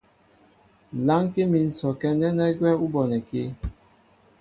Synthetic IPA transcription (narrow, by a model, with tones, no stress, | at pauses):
la˦ŋ˦ke˦mi˨n̩˨sɔ˨kɛ˦nɛ˦nɛ˦ɡwɛ˦u˦bɔ˨nɛ˨ke˦